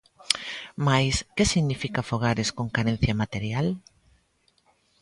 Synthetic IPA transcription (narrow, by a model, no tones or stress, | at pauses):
majskesiɣnifikɐfoɣaɾɪskoŋkaɾẽn̟θjɐmat̪eɾjal